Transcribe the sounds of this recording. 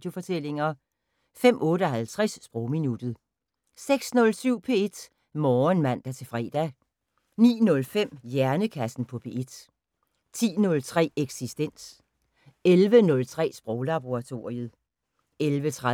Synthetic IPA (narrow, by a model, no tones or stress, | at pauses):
d̥jo̝fɒ̽t͡sʰel̰e̝ŋɐ | fem̰ʔɔ̽ːdɾəɒɦælt͡sʰʁɛsːb̥ʁɔʊminud̥ð̩ˠ | seɡ̥snɔ̽lsyʊ̰pʰe̝e̝d̥ | mɒːnmæn̰d̥æɐt͡sʰe̝fʁɛ̰ːd̥æ | nḭːnɔ̽lfem̰jæɐnəkʰæsn̩pʰɒ̽pʰe̝ʔed̥ | t͡sʰḭːnɔ̽lt͡sʰʁɛ̰ːeɡ̥sisd̥en̰s | elʋənɔ̽lt͡sʰʁɛ̰ːsb̥ʁɔʊlɑb̥o̝ʁɑ̈t͡sʰo̝ɐ̰ʁiəð̩ˠ | elʋət͡sʰʁa